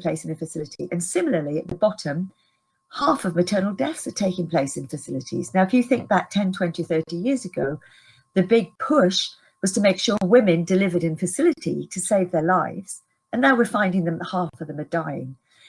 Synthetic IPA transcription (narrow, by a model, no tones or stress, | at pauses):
pl̥eɪsɨ̃nɨfɨsɪlˠɨɾḭʔɨ̰̃nsɪ̃ml̩ˠə˞liɨʔ̪̚ðəbɑɾə̃m | hæfʌvmɨtʰɜ˞nl̩ˠdɛθsə̥˞tʰeɪkɨ̃ŋpʰl̥eɪsɨ̃nfɨsɪlˠɨɾḭz̥naʊɨfjɨθɪ̃ŋk̚ðətʰɛ̃ntʰw̥ɛ̃ntiθɜ˞ɾijɪɹzɨɡoʊ | ðɨbɪɡ̚pʰʊʃ | wʌz̥tʰəmeɪkʃɔɹwɪ̃mɨ̃ndɨlɪvə˞ɾɨ̃nfɨsɪlˠɨɾḭɾʰɨseɪvðə˞laɪvz̥ | ɨ̃nðəwəfãɪ̃ndɪ̃ŋðɨ̃mhæfəvðə̃mɨdaɪɪ̰̃ŋ